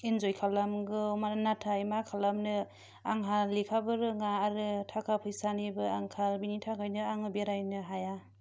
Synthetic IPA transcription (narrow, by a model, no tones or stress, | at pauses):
inzojkʰalamɡɯmaɾanatʰaimakʰalamnɯ | aŋɦallikʰabɯɾɯŋaːɾɯtʰakʰapʰɯjsanibɯaŋkʰalbinitʰakʰajnɯaŋɯbeɾajnɯɦaja